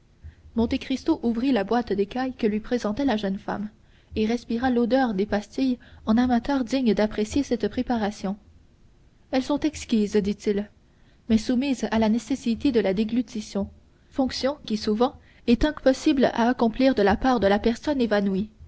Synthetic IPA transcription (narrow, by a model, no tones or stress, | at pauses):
mɔ̃t̪ekχist̪oʔuvʁilabwat̪d̪ekajkəlɥipχezɑ̃t̪ɛlaʒənfa̰m | eʁɛspiʁalod̪œʁd̪epast̪ijɑ̃namat̪œʁd̪iɲd̪apχesjesɛt̪pχepaʁasjɔ̃ | ɛlsɔ̃t̪ɛkskʲizd̪it̪il | mɛsumizalanesesit̪ed̪əlad̪eɡlyt̪isjɔ̃ | fɔ̃ksjɔ̃kʲisuvɑ̃ | ɛt̪ɛ̃pɔsibla̰ːkɔ̃pliːʁd̪əlapaʁd̪əlapɛʁsɔnevanwi